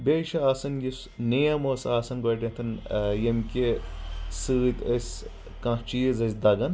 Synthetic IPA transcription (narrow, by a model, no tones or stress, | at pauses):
bʲeːʃɐaːsɐnjis | nejɐmoːsaːsɐnɡɐːʈʲɐ̃t̪ʰɐnjɐmkʲe | sɨːt̪ɐsʲ | kãt͡ʃijzɐsʲd̪ɐɡɐn